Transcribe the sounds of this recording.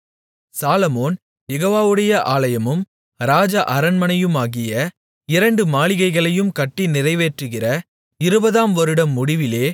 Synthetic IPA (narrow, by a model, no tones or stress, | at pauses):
saːlɐmoːn | jɛɣoːʋaːʋɯɽɐjɐʔaːlɐjɐmɯm | ɾaːd͡ʒɐʔɐɾɐnmɐnɐjɯmaːɣɪjɐ | ɪɾɐɳɖɯmaːɭɪɣɐɪɣɐɭɐjɯmkɐʈːinɪrɐɪʋeːʈrɯɣɪrɐ | ɪɾɯbɐðaːmʋɐɾɯɽɐmːʊɽɪʋɪleː